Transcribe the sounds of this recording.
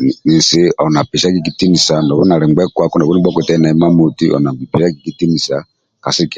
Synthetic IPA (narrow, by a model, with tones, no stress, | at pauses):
ni˨nsi˦ɔ˨na˨pi˨ʃa˦ki˦ki˨˦ti˦mi˨sa˨ndɔ˨βu˦na˨ɾɛ˨ŋɡ͡bɛ˦kwa˦kɔ˦ndɔ˨βu˦ni˦bɔ˦ku˨tɛ˦na˨ɛ˨˦ma˦mu˨ti˦ɔ̰˨na˨bi˨pi˨ʃa˦ki˨ki˦ti˦mi˨sa˨ | ka˨si˦kɛ˨